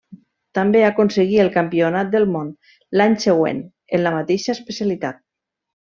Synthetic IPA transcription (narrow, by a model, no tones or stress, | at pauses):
t̪ambeakonsəɣiəlˠkampionat̪̚d̪əlˠmon | laɲseɣ̞wḛn | enləmat̪eʃəespəsialit̪at̪̚